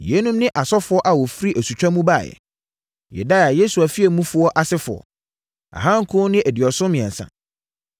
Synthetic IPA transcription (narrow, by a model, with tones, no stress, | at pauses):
jɛ˨˦nũ˦mnɪ̃˦ʔa˨sɔ˦fʊ˦ɔ˦ʔa˨wɔ˨fɾi˦ʔæ˨su˨t͡ɕᶣa˦mũ˦baː˦˨jɛ̰˨ | jɛ̰˨da˦˨a˨je˦su˨a˨fi˦e˨mũ˦fʊ˨ɔ˦ʔa˨sɪ˦fʊ˨ɔ̰˨ | a̰˨ɦã˦ŋ̩˨kʰʊ̃˦nɪ̃˦æ˨di˨ɔ˨sʊ̃˦mɪ̃˨ɛ̃˨n˨sã̰˨